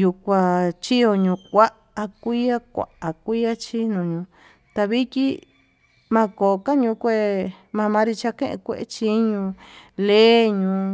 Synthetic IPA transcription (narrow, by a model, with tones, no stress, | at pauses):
ju˧kʷa˧t͡ʃi˦jo˧ɲũ˧kʷa˦ | a˧kʷi˦a˦kʷa̰˨ʔa˨kʷi˦a˦t͡ʃi˦nũ˨ɲũ˧˦ | t̪a˧βi˦t̪ʲi˦ | mã˧ko˨˧ka˦ɲũ˧˦kʷe˦˧˨mã˧mã˧˦ɾi˧t͡ʃa˧kḛ̃˦ʔḛ̃˧kʷḛ˦˧ʔḛ˦t͡ʃi˧˦ɲũ˧le˦ɲũ˧